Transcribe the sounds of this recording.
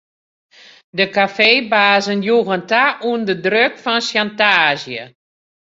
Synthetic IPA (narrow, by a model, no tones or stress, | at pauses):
dəkafeːbaːzənjuɣəntaʔuəndədrøkfɔnsjantaːzjə̰